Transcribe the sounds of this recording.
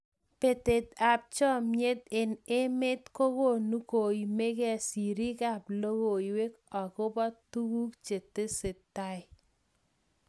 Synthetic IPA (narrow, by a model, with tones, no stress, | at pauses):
pe˨te˨t̪a˨p̚t͡ʃɔ˦mje˦t̪ɪ˨nɪ˦mɪ˦t̪ko˦ko˦˨nu˦ko˨i˨me˦kɛ˦si˨ɾi˦ka˦˨plo˦wo˨i˨we˦kɔ˨kʊ˦bɔ˦tu˦ku˦kt͡ʃe˨t̪e˦sɪ˨t̪ːa˦ɪ˨